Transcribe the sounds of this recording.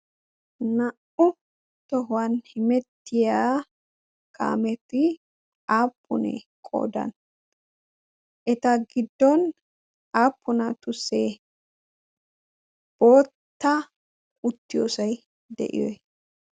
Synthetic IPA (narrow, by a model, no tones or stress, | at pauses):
nɐʔʊ | t̪ɔɦʊwɐnhɪmɛt̪ːɪjaː | kʰa̰ːmɛt̪ːɪ | aːpːʊnɛ̰kʼo̰ːd̪ɐ̰n | ʔɛt̪ɐɡɪd̪ːɔn | ʔaːpːʊnɐt̪ʊseː | b̥o̞ːtt̪ːɐ | ʔʊt̪ːɪjo̰ːsɐj | d̪ɛ̰ʔɪ̰jɔ̰j